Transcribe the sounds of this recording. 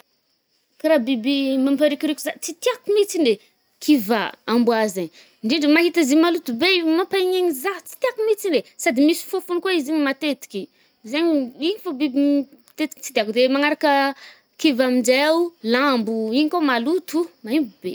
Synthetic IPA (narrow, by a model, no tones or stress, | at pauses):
kiɾabibimampaɾikʲiɾikʲuzat͡sit̪iakumit͡sine | kʰivaambuazaɲ | ɳɖ͡ʐiɳɖ͡ʐəmaɦit̪aziɲmalut̪ubemapaɲeɲizat͡si̥t̪iakumit͡sinesad̪imisi̥fofunikoiziɲimat̪et̪i̥kʲi | zeɲiiɲifabibi | t̪et̪i̥ki̥t͡sid̪akud̪emaŋaɾakə | kivamid͡ʒaawlambuiɲikomalut̪umaimbub̥e